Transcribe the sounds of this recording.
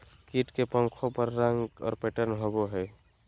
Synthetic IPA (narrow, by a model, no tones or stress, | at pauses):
kiʈkepə̃ŋkʰopəɾːəŋɡɔ̰ːɾpeʈənɦoboɦɛː